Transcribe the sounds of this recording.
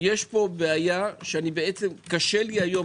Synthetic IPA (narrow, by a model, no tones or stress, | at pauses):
jeʃpo̞beajaʃeanibe̞et͡se̞mkaʃeliajo̞